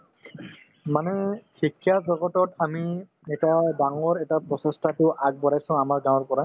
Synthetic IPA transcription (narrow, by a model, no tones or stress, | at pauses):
manɛkʰikʰjazɔɡɔtɔtami | ɛtadaŋɔɹɛtapɹɔsɔ̃stʰatʊʔaɡ̚bɔɹajsʊ̃ʊ̃amaɹɡaw̃ɔɹpɔɹa